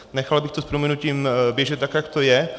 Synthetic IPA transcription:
nɛxalbɪxt̪ospɾomɛnuciːmbjɛʒɛt̪t̪ːakjakt̪ojɛ

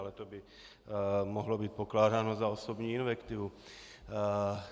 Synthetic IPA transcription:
lɛt̪obɪ | moɦlo̞biːt̪̚po̞klaːdaːno̞zaoso̞bɲiːɪnvɛkt̪ɪvu

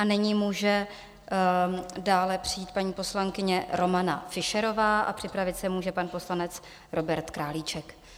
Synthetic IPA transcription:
ʔanɪɲimuːʒɛ | daːlɛpr̝̥ɪiːt̪̚paɲiːpo̞slaŋkɪɲɛɾo̞mana̰fɪʃɛɾo̞vaːʔa̰pr̥ɪpɾavɪt̪sɛmuːʒɛpanpo̞slanɛt͡s | ɾo̞bɛɾt̪kɾaːliːt͡ʃɛk

